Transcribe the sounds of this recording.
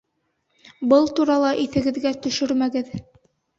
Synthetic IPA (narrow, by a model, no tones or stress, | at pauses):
bɤlˠt̪uɾɑlˠɑʔiθɘ̆ɡɘ̆ðɡæt̪ɵ̆ʃɵɾmæɡɘð